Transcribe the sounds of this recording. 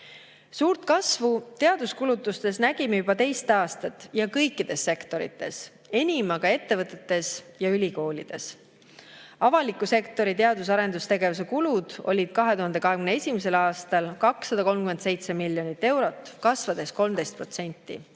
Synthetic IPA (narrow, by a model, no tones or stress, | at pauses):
suːɾt̪kɑsvut̪e̞ɑd̪̥uskulut̪ːˑust̪e̞snæɡ̥imejubɑt̪e̞jst̪ɑːst̪ɑt̪ːˑjɑkɤjkːˑid̪̥e̞sːe̞kt̪o̞ɾḭt̪ːˑe̞̰s | e̞nʲimɑɡ̥ɑe̞t̪ːe̞vɤt̪ːˑe̞t̪ːe̞sjɑylʲiko̞ːlid̪̥e̞s | ɑvɑlikːˑuse̞kt̪ˑo̞ɾit̪e̞ɑd̪usɑɾe̞nd̪ust̪e̞ɡe̞vus̬e̞kulud̪̥o̞̰lʲid̪̥kɑɦe̞t̪uɦɑnd̪e̞kɑɦeɡymne̞sʲimese̞lɑːst̪ɑlkɑksːɑd̪ɑko̞lmkyme̞nd̪se̞jt̪se̞milːjo̞nit̪ːˑe̞wɾo̞t̪ːˑkɑsvɑd̪̥e̞sko̞lmd̪e̞jst̪̚pro̞t̪se̞nʲt̪ˑːḭ